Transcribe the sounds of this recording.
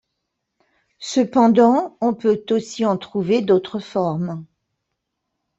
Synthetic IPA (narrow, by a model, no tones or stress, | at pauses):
səpɑ̃d̪ɑ̃ɔ̃pøt̪osiɑ̃t̪χuved̪ot̪χəfɔʁm